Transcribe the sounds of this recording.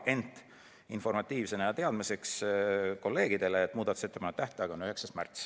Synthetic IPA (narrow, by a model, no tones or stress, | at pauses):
ʔe̞nt̪ | info̞rmɑt̪ːˑiːvse̞nejɑt̪e̞ɑd̪̥mise̞ksko̞lːe̞ːɡ̥id̪̥e̞leːt̪ːˑmuːd̪ɑt̪u̥se̞t̪ːepɑnːet̪ːæht̪ɑɑɡ̥ɑonyɦe̞ksɑst̪mæ̰rt̪s